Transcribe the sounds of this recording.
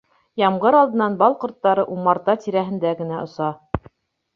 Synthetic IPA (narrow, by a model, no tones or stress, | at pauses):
jɑmʁɤɾɑlˠd̪ɤ̆nːɑnbɑlˠqŏɾt̪ːɑɾɤʔumːɑɾt̪ɑt̪iɾæɦɘ̆nd̪æɡɘ̆næʔŏsɑ